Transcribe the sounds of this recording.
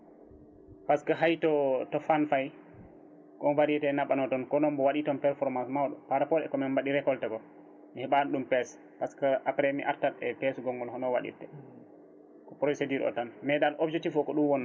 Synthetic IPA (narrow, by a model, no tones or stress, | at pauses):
paskaɦajtɔtɔfanfaj | kɔnvaɾitɛnaɓanɔtɔnkɔnɔmbɔwaɗitɔnpɛɾfɔɾmansmawɗumpaɾapɔɾɛ̰kɔmɛnbaɗiɾɛkɔltɛɡɔ | mihɛɓanɗumpɛs | paskaʔapɾemḭʔaɾtalɛpɛsɡɔŋɡɔlhɔnɔwa̰ɗḭtɛ | kɔpɾosediɾɔ̰tanmɛɗalʔɔbd͡ʒɛk̚tifɔkɔɗumwɔnː